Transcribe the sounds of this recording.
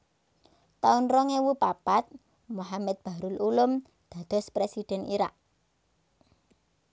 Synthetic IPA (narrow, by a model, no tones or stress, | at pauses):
t̪aʊnrɔŋewupapat̪̚ | muhamɛd̪̚b̥a̤ɾʊlulʊm | d̪̥ä̤d̪̥ɔ̤spɾesid̪̥ɛ̤niɾa̰ʔ